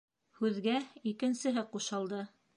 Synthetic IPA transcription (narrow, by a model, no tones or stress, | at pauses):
hʉðɡæikɘ̆nsɘ̆ɦɘquʃɑlˠd̪ɤ